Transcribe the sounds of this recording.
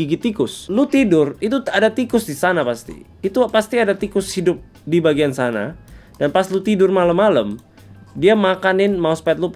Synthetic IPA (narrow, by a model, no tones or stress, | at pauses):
iɡit̪ikʊslut̪idʊrit̪̬uadat̪ikʊsdisanapast̪ḭː | t̪upast̪iadat̪ikʊshidʊp̚ | dibaɡiansana̰danpaslut̪idʊrmaləmːaləm | diamakanɪnmaospɛt̪̬̚lu